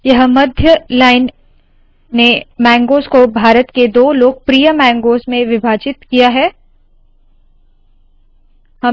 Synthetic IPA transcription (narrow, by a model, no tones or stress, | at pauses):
jɐɦmɐd̪ʱjəlaːɪnː | emɛ̃ːŋɡoːskobʱaːɾət̪ked̪oːloːɡ̚pɾijəmɛ̃ːŋɡoːsmẽʋɪbʱaːt͡ʃɪt̪kijaɦɛː | hɐ